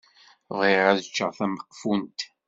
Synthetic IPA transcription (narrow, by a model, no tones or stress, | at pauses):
ʁiʁæðt͡ʃːəʁθæməqːfunt̪